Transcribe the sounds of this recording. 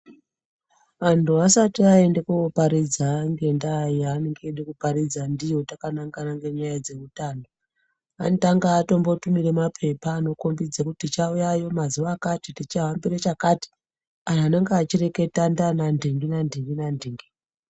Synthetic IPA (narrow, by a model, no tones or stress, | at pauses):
ʋantuasatiae̞ndekuopaɾid͡zaŋɡe̞ndajianeŋɡeɗekupaɾid͡zandijo̞takanaŋɡanaŋɡe̞ɲajad͡ze̞ʋutando | a̰ndaŋɡaːto̞mbo̞tumiremapʰe̞paːno̞kombid͡zakutit͡ʃaujajo̞mazuʋakatitit͡ʃaɦambiɾet͡ʃakati̥ | ananaŋɡaːt͡ʃire̞ke̞tandanandʱiŋɡinandʱiŋɡinandʱiŋɡi